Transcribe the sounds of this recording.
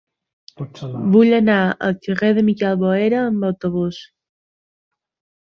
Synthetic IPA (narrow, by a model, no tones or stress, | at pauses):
buʎənaə̰lˠkəʁeðəmikɛlˠβoeɾəːmbəwt̪oβ̞us